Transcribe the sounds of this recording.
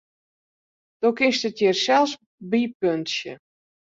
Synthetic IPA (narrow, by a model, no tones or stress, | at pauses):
d̥okɪnstətjɪrsɛlˠs | bipøntsjə̰